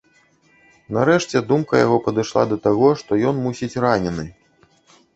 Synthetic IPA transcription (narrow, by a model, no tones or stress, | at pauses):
naɾɛʂt͡sʲɛd̪umkɐja̰ɣɔpɐd̪ɨʂlˠa̰d̪ɐt̪aɣɔʂt̪ɔjɔnmusʲit͡sʲranʲɛnɨ